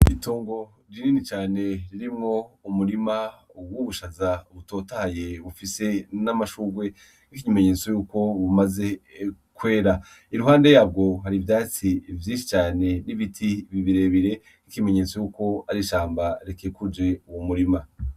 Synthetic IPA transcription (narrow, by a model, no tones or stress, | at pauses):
itoːŋɡo̞ | ɾininit͡ʃaːne̞ɾiɾimŋo̞umuɾima | ɡwuβuʃazaβuto̞ːtahaje̞βufise̞namaʃuːɡwe̞ | nikiɲime̞ɲe̞ːt͡sojuːko̞βumaze̞ | kwe̞ːɾa | iɾuɦaːnde̞jaːb̚ɡo̞ɦaɾivjaːt͡sivjiːʃi̥t͡ʃaːne̞niβitʰiβiβiɾe̞βiɾe̞ | nikime̞ɲe̞ːt͡so̞juːko̞aɾiʃaːmbaɾekeekud͡ʒe̞uwomuɾima